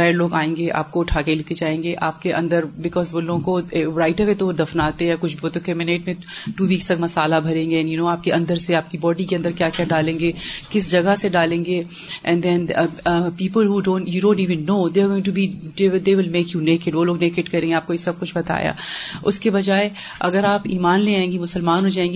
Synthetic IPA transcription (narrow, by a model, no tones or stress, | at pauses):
aɾloːɡaːẽːŋɡeʔa̰ːp̚koʊʈʰaːkelɪked͡ʒaːẽːŋɡeʔaːp̚keʔɐ̰̃nd̪əɾbɪkɔːzʋoːlõkoɾaːɪʈəʋet̪od̪ɐfnaːt̪eɦɛkʊt͡ʃʰbʱiboːt̪okemɪneːʈmẽ | ʈuːʋiːkst̪ɐɡmɐsaːlabʱɐɾẽːŋɡeɛ̃njunoːaːp̚keʔɐ̃nd̪əɾseaːp̚kibɔːɖikeɐ̃nd̪əɾkjaːkjaɖaːlẽːŋɡekɪs̬d͡ʒɐɡaseɖaːlẽːŋɡe | ʔɛ̃nd̪ɛ̃npiːpəlɦuːɖõːnʈjuɖõːnʈiːʋə̃nːoːd̪eːɡõːɪ̃ŋʈubid̪ed̪eːʋɪlmeːkjuneːkɪʈʋoːloːɡneːkɪʈkɐɾẽːŋɡeaːp̚koɪsɐb̚kʊt͡ʃʰbɐt̪a̰ːja̰ʊ̰skebɐd͡ʒaːe | ʔɐ̰ɡəɾaːpiːmaːnleːãẽːŋɡimʊsəlmaːnɦoːd͡ʒaːẽːŋɡi